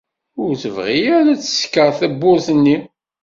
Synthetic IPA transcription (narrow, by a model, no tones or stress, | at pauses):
ʊɾθəvʁijæɾæt͡sːə̥skːəʁθæbːʊɾθənːi